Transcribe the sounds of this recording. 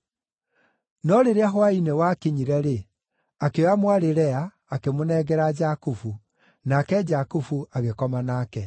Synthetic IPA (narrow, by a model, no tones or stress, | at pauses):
nɔɾeɾeaɦwainewakeɲiɾɛɾe | akeamwaɾeɾɛaː | kemonɛɣɛɾad͡ʒakufu | nakɛd͡ʒakufuaɣekɔmanaːkɛ